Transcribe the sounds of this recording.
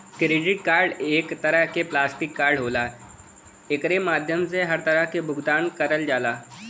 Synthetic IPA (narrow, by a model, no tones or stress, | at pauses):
kɾeːɖɪʈkaːɾɖeːkt̪ɐɾəɦkeplaːsʈɪkːaːɾɖɦoːlaː | ekɾemaːd̪ʱjəmseɦɐɾt̪ɐɾəɦkebʱʊɡd̪aːnkɐɾəld͡ʒaːlaː